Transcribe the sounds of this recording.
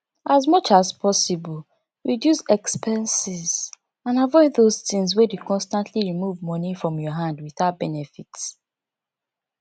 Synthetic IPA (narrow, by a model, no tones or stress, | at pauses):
ʔazmʌt͡ʃazpʰɔsibɔl | ɹidjusɛkspɛ̃nsiz | ãnavɔɪðoztĩŋs̬wedukɔ̃nstãntʰliɹimuvmɔnifɹɔ̃mjɔɦãndwiθaʊbɛnɛfits